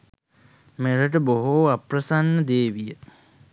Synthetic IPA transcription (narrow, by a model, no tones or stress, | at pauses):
meɾəʈ̬əboɦoaprəsanːəd̪eːʋijə